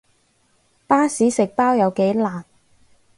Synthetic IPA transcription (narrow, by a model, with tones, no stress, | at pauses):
paː˥siː˨˥sɪ˨k̚paː˥wjɐ˨˧wke˨˥jlaː˨˩n